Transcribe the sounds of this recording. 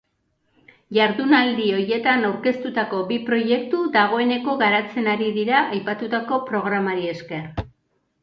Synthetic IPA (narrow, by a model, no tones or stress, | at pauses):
ʝaɾðunald̪io̞je̞t̪anawɾke̞st̪ut̪ako̞bipɾo̞je̞k̚t̪uðaɣ̞o̞e̞ne̞ko̞ɣaɾat͡se̞naɾiðiɾaʔajpat̪ut̪ako̞pɾo̞ɣ̞ɾamaɾie̞ske̞r